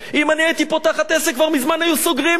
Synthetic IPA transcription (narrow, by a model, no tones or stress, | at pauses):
imanɛɛt̪ipot̪aχat̪ɛsɛkvalmizmanajusoɡɾi